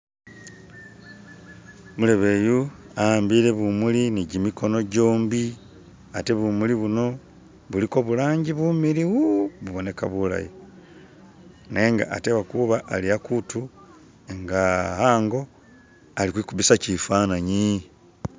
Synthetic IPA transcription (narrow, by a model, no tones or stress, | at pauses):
mule̞βeju | ambiːɾe̞βumuliniɟimikʰo̞no̞ɟo̞ːmbi | ate̞βumuliβuno̞ | βuliko̞βulaːɲɟiβuːmiɾiwuβuβo̞ne̞kaβula̰ji | neŋɡa̰ʔatewakuβaʔːliakutu | eŋɡahaːŋɡo̞ | alikwiːkuβisacifaːnaɲi